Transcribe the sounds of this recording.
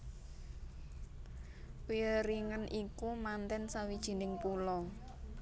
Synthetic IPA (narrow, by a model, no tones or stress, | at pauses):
wiɾiŋənʔikumant̪ɛnsawid̥ʒ̥i̤nɪŋpulɔ